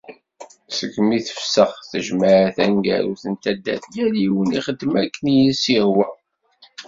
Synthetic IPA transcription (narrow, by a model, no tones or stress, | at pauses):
səkːmiθə̥fsəχθəʒmaʕθæŋɡæ̰ɾuθənt̪æd̪ːæ̰θjæliwəniχəd̪ːmækːənjənsiʁwæ